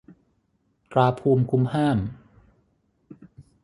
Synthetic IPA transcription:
t̪ɾaː˧pʰuː˧mkʰu˦˥mhaː˥˩m

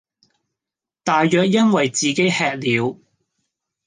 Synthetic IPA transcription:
t̪aː˨jːœː˨k̚jɐ˥nwɐ˨jt͡siː˨ke˥jhɛː˧k̚liː˨˧w

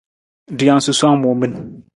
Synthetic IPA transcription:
di˨ja˨n˨su˨su˦a˦ŋ˦mo˨mi˦n

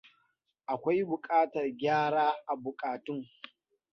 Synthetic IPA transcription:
ʔa˨kʷa˦jbʊ˨kʼaː˦tɐ˨rɡʲaː˦ɽaː˦ʔa˨bʊ˨kʼaː˨tʊ˦ŋ

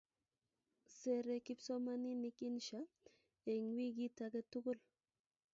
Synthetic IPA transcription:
se˨ɾe˨ki˦pso˦ma˦ni˦ni˦kʼi˦nʃa˦ | e˨ŋwi˦ɡi˦t̪aɡe˦t̪u˦ɡʊ˦l

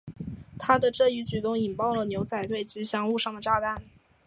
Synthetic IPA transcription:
t̪ʰa˥d̪ə˨ʈ͡ʂɤ˥˧y˧˥t͡ɕy˨˩t̪ʊ˥ŋi˨˩npɑ˥˩ʊlə˩njo˧˥ʊt͡sʰa˨˩ɪt̪we˥˩ɪt͡ɕ̩˧˥ɕjɑ˧˥ŋu˥˧ʂɑ˥˩ŋd̪ə˩ʈ͡ʂa˥t̪a˥˩n

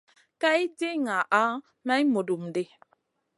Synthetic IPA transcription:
ka˦i˦de˦ŋa˨ʔa˦ | ma˦i˦mo˨du˨mde˦˨

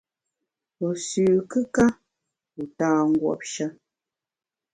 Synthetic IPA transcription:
o˨sʉː˨kɨ˦ka˦ | u˨taː˦˨ŋ̩˦ɡwɔ̰˨p̚ʃə˦

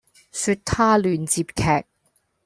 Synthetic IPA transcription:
sy˧t̚t̪ʰaː˥lyː˨nt͡siː˧p̚kʰɛː˨˩k̚

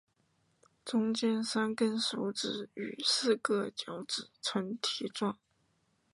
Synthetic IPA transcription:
t͡sʊ˥ŋt͡ɕjɛ˥nsa˥nkə˥nsu˧˥ʈ͡ʂɻ̩˨˥y̰˨˩sɹ̩˥˧kɤ˥˧t͡ɕjɑ˧˥ʊʈ͡ʂɻ̩˨˩t͡sʰwə˧˥nt̪ʰi˧˥ʈ͡ʂwɑ˥˩ŋ

